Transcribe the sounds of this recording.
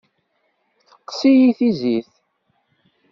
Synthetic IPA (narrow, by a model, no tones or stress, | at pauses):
θə̥qːsijiθiziθ